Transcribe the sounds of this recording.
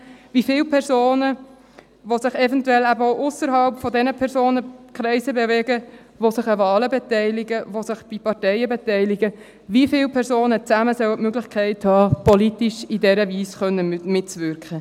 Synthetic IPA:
vifɪːlpʰɛɾzoːnə | ʋosɪχɛvɛntuɛlæbəoʔʊsəɾɦɑlpfɔdɛnəpʰɛɾsoːnəkɾɛɪsəbeveːɡə | ʋosɪχəvɑːləbetɛɪlɪɡəvosɪχb̥ipɑtɛɪəbetɛɪlɪɡə | vifɪːlpʰɛɾsoːnət͡sæməsœwətmøɡlɪxkʰɛɪthɑːpɔlitiʃidɛɾəviːsχœnːəmɪtt͡sʋʏɾkχə

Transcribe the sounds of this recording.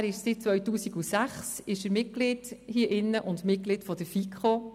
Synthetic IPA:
ɾɪʃsɪt̚t͡sʋœɥtuːsiɡusæχsɪʃəɾmɪtɡ̥lɪd̥hiəʔɪnːəʔʊndmɪt̚klɪtfɔd̥əfikʰχo

